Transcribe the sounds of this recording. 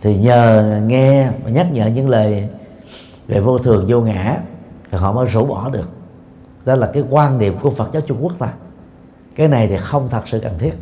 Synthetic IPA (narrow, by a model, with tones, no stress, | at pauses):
t̪ʰi˨˩ɲəː˨˩ŋɛ˧ma˨˩ɲa˦˥t̚ɲə̰ː˧˨ɲɨ̰˧˥ŋləː˨˩j | vḛ˨˩vo˧t̪ʰɨ˨˩əŋzo˧ŋa̰ː˧˩˥t̪ʰi˨˩ɦɔ̰˧˨məː˨˦jzu˧˦ɓɔ˧˩ɗɨ˨˩ək̚ | ɗɔ˨˦laː˨˩kaː˨˦jkwaː˧nɗi˨˩əmku˧˩əfə˨˩t̚zaː˨˦wt͡ɕʊ˧ŋ͡mku˦˥ək̚t̪aː˧ | kaː˨˦jna˨˩jt̪ʰi˨˩xə˧wŋ͡mt̪ʰə˨˩t̚sɨ̰˧˨kə˨˩nt̪ʰi˦˥ət̚